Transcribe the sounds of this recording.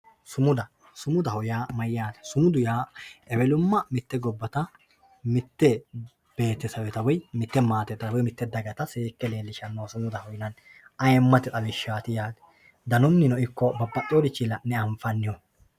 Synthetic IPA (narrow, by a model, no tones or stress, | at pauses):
sʊmʊd̪ɐ | sʊmʊd̪ɐhɔjaːmɐjːaːt̪ɛ̥sʊmʊd̪ʊjaːɛbɛlʊmːɐmɪt̪ːɛɡɔbːɐt̪ɐ | mɪt̪ːɛ | b̥eːt̪ːɛsɐwɛt̪ɐwɔjmɪt̪ːɛmaːt̪ɛt̪ːɐwɔjmɪt̪ːɛd̪ɐɡɐt̪ɐseːkːɛle̞ːlːɪʃɐnːowsʊmʊd̪ɐhɔjnɐn | ɐjɛmːɐt̪ɛt̪ʼɐbɪʃːaːt̪ɪjaːt̪ɛ̥ | d̪ɐnʊnːɪnɔɪkːɔbɐbːɐt̪ʼːɪɔd̪ɪt͡ʃːɪlɐnɛɐɱfɐnːɪjɔ